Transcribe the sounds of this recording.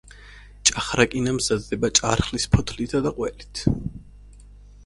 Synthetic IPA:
t͡ʃʼaχɾakʼinamzad̪d̪ɛbat͡ʃʼaɾχlispʰɔt̪ʰlit̪ʰad̪aqʼwɛlit̪ʰ

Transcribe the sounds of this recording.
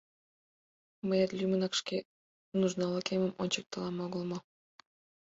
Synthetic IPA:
məjɑt̪lʲymə̆nɑkʃkʲe | nuʒnɑlˠɑkʲemə̆monʲt͡ɕək̚t̪ɤlɑmoɣɤ̆lˠmɤ̆

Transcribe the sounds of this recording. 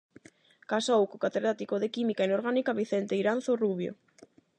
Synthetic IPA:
kasowkokat̪eðɾat̪ikoðekimikaenoɾɣanikaβiθent̪eiɾan̟θoruβjo̰

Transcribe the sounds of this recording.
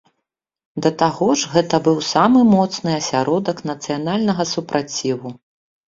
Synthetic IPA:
d̪ɐt̪aɣɔʐɣɛt̪ɐbɨwsamɨmɔt̪snɨɐsʲaɾɔd̪ɐknɐt̪sɨjanalʲnɐɣɐsupɾʔat͡sʲivu

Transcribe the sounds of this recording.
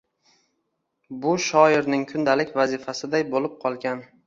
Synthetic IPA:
bʊʃɒɪɾnɪŋkʰʊnd̪alɪkʲvazɪfasɪd̪ajbolɪp̚qʰɒlˠɡʲan

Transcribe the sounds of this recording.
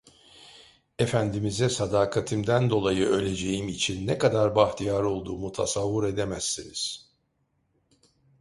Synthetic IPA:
e̞fænd̪imizɛsad̪aːkʰat̪ʰɯmd̪ænd̪o̞lˠajɯø̞lʲe̞d͡ʒe̞jimit͡ʃʰinːɛkad̪aɾbaxt̪ʰijaɾo̞lˠd̪uːmut̪ʰasavːɯɾe̞d̪emæsːiniz̥

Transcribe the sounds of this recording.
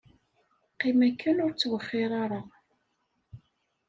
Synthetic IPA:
qːimækːənʊɾt͡sːwəχːɪɾˤaɾˤa

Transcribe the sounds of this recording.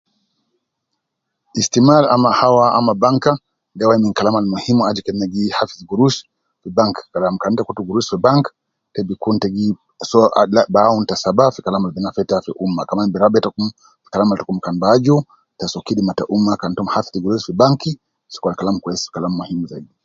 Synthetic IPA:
istimalamahawaa̰mabaŋka | dawaiminkalamalmuhimuad͡ʒukɛnɛɡihafiziɡuɾuʃ | fibaŋkkalamkanitakutuɡuɾusfibaŋk | tɛbikuntɛɡi | sɔa̰labauntasabafikalamalbɛnafɛtafiʔumakamanibɛɾabɛtakum | fi̥kalamaltakum̩kanbad͡ʒu | tasɔkidimataʔumakantɔmhafi̥θiɡuɾusfibaŋki | si̥kwalkalamkwɛsfi̥kalamːuhimuzaidi

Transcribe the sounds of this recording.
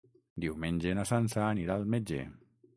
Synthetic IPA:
d̪iwmenʲd͡ʒenasansaːniɾaːlˠmed͡ʒḛ

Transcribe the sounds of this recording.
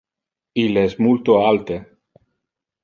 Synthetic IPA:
ilesmult̪oalt̪e

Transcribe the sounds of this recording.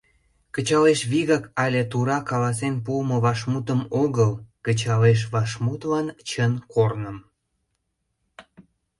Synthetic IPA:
kət͡ɕɑleʃβiɣɑkɑlʲet̪uɾɑkɑlɑs̬enpuməβɑʃmut̪əmoɣəlkət͡ɕɑleʃ̬βɑʃmut̪lɑnt͡ɕənkʰornəm

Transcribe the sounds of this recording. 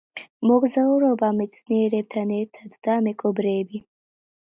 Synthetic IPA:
moɡzauɾobamit͡sʰneɾeb̚t̪ʰaneɾt̪ʰad̪ud̪amekʰʼɔbɾeːbi

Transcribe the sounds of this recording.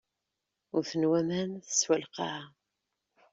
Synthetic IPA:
ʊɾθənwæmænθə̥swəlqɑ

